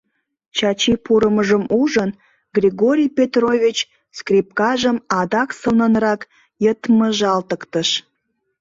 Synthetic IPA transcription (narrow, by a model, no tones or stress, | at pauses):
t͡ɕɑt͡ɕipuɾəməʒəmuʒən | ɡrʲiɣoɾʲijpʲet̪rovʲit͡ɕ | skrʲip̚kɑʒəmɑd̪ɑksəlnənrɑk | jət̪məʒɑlt̪əkt̪əʃ